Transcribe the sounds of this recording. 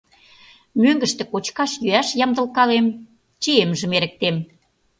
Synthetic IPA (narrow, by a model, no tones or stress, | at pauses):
møŋɡə̆ʃt̪ĕkot͡ɕkɑʃjyæʃjɑmd̪ə̆lkɑlem | t͡ɕiemʒə̆meɾə̆k̚t̪em